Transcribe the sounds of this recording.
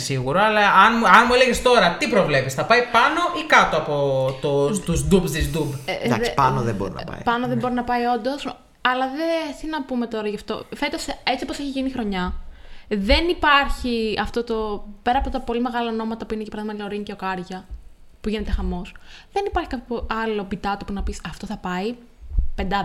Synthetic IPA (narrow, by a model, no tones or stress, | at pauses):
siɣuɾoɐlɐɐnmuɐnmueleɣest̪o̞ɾɐt̪ipɾovle̞pisθɐpɐipɐno̞ʔikɐt̪oɐpot̪ot̪uzd̪ubst̪izd̪ubd̪ɐspɐnoðeboɾḭnɐ̰pɐ̰jpɐnoðebo̞ɾinɐpɐio̞nd̪o̞s | ɐlɐðesinɐpume̞t̪o̞ɾɐʝɐft̪o̞̰fe̞t̪ose̞t͡siposeçiʝinixɾo̞ɲɐ | ðe̞nipɐɾçiɐft̪o̞t̪o̞pe̞ɾɐpot̪ot̪ɐpo̞lime̞ɣɐlɐono̞mɐt̪ɐpuinecepɾɐðimɐloɾince̞okɐɾʝɐ | puʝene̞t̪e̞xɐmo̞sðe̞nipɐɾçikɐoɐlo̞bit̪ɐt̪opunɐpisɐft̪o̞θɐpɐi | pe̞nd̪ɐ